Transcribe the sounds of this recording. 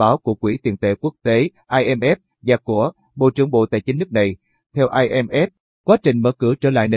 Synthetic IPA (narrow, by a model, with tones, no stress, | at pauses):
ɓaː˨˦wku˧˩əkwi˧˩t̪i˨˩nt̪ḛ˧˩ku˦˥ək̚t̪e˨˦ʔaː˧jʔɛ˧mʔɛ˦˥p̚ | zaː˨˩ku˧˩ə | ɓo̰˧˨t͡ɕɨ˧˩əŋɓo̰˧˨t̪a̰ː˧˨jt͡ɕi˨˦ŋ̟nɨ˦˥k̚na˨˩j | t̪ʰɛ˧wʔaː˧jʔɛ˧mʔɛ˦˥p̚ | kwaː˨˦˥t͡ɕï˨˩ŋ̟məː˧˦kɨ˧˩t͡ɕəː˧˩la̰ː˧˨jne˧